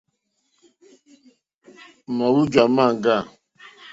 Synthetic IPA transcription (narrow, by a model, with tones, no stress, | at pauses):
ma˨wu˦d͡ʒwa˨ma˦˨ŋ˦ɡa˦˨